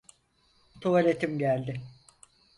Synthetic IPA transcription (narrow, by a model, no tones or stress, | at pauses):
t̪ʰuvalʲet̪ʰimɟælʲd̪ɪ